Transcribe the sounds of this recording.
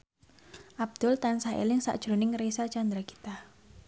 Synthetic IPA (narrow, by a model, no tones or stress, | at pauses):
ʔab̚d̪̥ʊlt̪ansahḛlɪŋsa̰ʔd̥ʒ̥ɾonɪŋɾesat͡ʃand̪ɾaki̥t̪a